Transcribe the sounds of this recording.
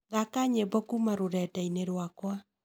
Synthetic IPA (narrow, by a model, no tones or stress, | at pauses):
ðakaɲebɔkumaɾoɾɛtɛineɾwakwa